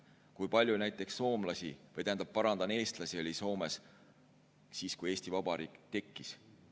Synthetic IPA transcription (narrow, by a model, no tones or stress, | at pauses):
kujpɑlʲjunæjt̪ːˑe̞ksːo̞ːmlɑsʲivɤjt̪æːnd̪ɑb̥̚pːɑɾɑnd̪̥ɑne̞ːst̪lɑsiolʲiso̞ːme̞s | siːskuje̞ːsʲt̪ivɑbɑɾiːkt̪e̞kːis